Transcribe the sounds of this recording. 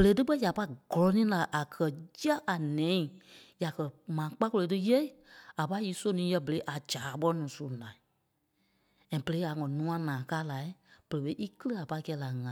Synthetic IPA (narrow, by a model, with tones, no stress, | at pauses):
bə˨le˨˦tɨ˦ɓɜ˦ja˨pa˧i˦˨ɡ̥ɔ˨lɔ˨˧nĩː˦la˨ʔa˨kʰɜ˨jə˦ʔa˨nɛ̃˨˦ĩ˨ja˨kɜ˨mãː˨˦k͡pa˦ko˧le˨˧˦tɨ˦je˦i˦a˨pa˧˦iː˨˦so˦nĩː˨˦jɜ˧bə˨le˨˦ʔa˨d͡ʒaː˨˦˨ɓɔ˦ɔ˦nũː˨˦su˦˨nãː˨ | ɛ̃˨b̥ə˨le˨˦a˨ŋɔ̃˨˦nũ˦ã˧˦nãː˨kaː˦la˨i˦b̥ə˨e˨˦fe˧˦ʔi˦kɨ˦lɨ˦a˨pa˧i˦˧kɛː˧˦la˨ŋã˨